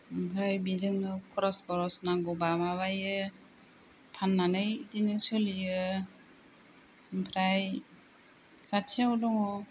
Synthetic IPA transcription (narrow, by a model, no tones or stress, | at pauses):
mpʰɾajbidɯŋnɯkʰɾɔsbɔɾɔsnaɡɔbamaβajɯ | pʰanːanɯjitinɯsɯlijɯ | mpʰɾaj | kʰatʰiawdɔŋɔ